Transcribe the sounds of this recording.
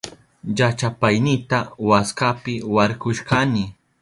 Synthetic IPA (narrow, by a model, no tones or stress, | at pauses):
jat͡ʃapajnɪt̪awaskapɪwaɾkʊʃkanɪ